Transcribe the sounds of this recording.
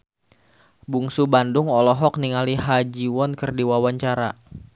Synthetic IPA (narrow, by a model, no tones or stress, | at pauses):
buŋsubandʊŋɔlɔɦɔk̚niŋaliɦad͡ʒiwɔnkərdiwawaɲt͡ʃaɾa̰